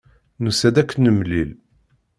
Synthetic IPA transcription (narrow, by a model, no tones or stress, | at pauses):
nusæd̪ækːənːəmlil